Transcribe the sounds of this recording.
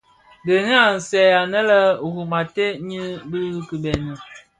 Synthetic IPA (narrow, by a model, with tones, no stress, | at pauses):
də˨ni˦a˨n̩˨sɛ˨a˨nə˦lə˦˨ɣu˨ma˨te˦ɲi˦bi˦ɣki˨bɛ˨nə˨